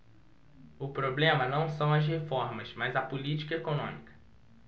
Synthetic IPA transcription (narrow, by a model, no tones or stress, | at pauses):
ʊpɾoblẽmɐnɐ̃w̃sɐ̃w̃ɐzɦefɔɾmɐsmɐzɐpʊlit͡ʃi̥kɐekonõ̰mikɐ̥